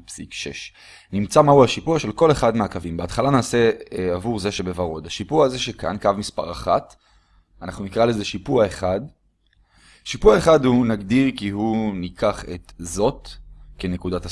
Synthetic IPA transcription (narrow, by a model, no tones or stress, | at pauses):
psikʃḛʃ | nimt͡samahuhaʃipuaʃe̞lko̞le̞χad̪meakavimbeat̪χalanaːseavuʁzeʃebevaʁo̞d̪haʃipuaze̞ʃekʰa̰nkavmispa̰ʁaχa̰t | anaχnunikʁale̞zeʃipuaeχad | ʃipuaeχadhunaɡd̪iʁkihunikʰaχe̞t̪zo̞t̪kene̞kud̪ata